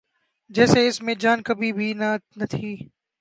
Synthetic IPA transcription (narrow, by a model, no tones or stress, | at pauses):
d͡ʒɛːseɪsmẽd͡ʒaːnkɐbʱibʱinnɐt̪ʰiː